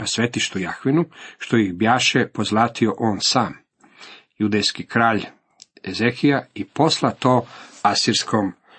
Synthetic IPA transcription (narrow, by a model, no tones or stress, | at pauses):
nasʋet̪iʃt̪ujaxʋinuʃt̪ojixbjaːʃepozlˠaːt̪ioʔoːnsaːm | jud̪ejskikɾaːʎ | ezexijaipo̞slˠat̪oːasiɾskʰom